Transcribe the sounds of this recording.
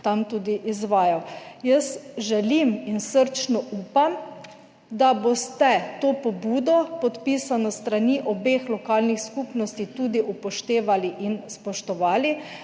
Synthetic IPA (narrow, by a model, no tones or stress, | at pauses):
t̪amt̪uːd̪iʔizʋaːjajəsʒɛliminsəɾt͡ʃnɔʔuːpam | d̪abost̪ɛt̪oːpɔbuːd̪ɔpɔt̪piːsanɔst̪ɾaniʔɔbeːxlɔkaːlnixskupnɔst̪it̪uːd̪iʔupɔʃt̪eːʋaliʔinspɔʃt̪ɔʋaːli